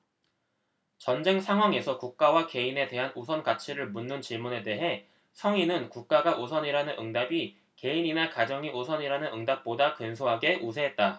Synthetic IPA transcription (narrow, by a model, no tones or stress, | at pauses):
t͡ɕʌnd͡ʑe̞ŋsʰaŋɦwaŋe̞sʰʌkuk̚k͈awake̞ine̞de̞ɦanosʰʌnkat͡ɕʰiɾɯɭmunːɯnt͡ɕiɭmune̞de̞ɦe̞ | sʰʌŋinɯnkuk̚k͈aɡaʔosʰʌɲiɾanɯnʔɯŋdabi | ke̞ininakad͡ʑʌŋiʔosʰʌɲiɾanɯnɯŋdap̚p͈odakɯnsʰoɦaɡe̞ʔusʰeɦet̚t͈a